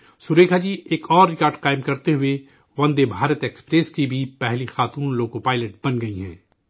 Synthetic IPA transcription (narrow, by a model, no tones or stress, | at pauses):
sʊɾeːkʰad͡ʒiːʔeːkɔːɾːɪkaːɾɖqaːɪmkɐɾt̪eɦʊe | ʋɐ̃nd̪ebʱaːɾət̪eːkspɾeskibʱipɛɦlixaːt̪uːnloːkopaːɪləʈ̚bɐnɡɐiɦɛ̰̃ː